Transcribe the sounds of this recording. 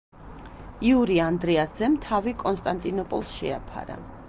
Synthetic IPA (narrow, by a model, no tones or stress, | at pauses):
iuɾiand̪ɾɛasd̪zɛmt̪ʰavikʼɔnst̪ʼant̪ʼinɔpʼɔ̰lˠsʃɛa̰pʰa̰ɾa̰